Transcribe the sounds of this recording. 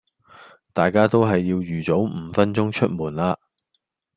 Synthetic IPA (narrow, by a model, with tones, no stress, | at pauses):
t̪aː˨jkaː˥t̪o˥wɦɐ˨jːiː˧wjyː˨˩t͡so˨˥wm̩ː˨˧fɐ˥nt͡sʊ˥ŋt͡ʃʰɵ˥t̚muː˨nlaː˧